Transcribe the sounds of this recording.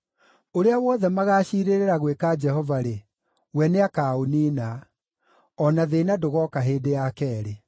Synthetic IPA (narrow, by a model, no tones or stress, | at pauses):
oɾeawɔðɛmaɣaːɕiːɾeɾeɾaɣwekad͡ʒɛɦɔvaɾe | wɛneakaonina | ɔnaðenadoɣɔkaɦeːdejakɛːɾe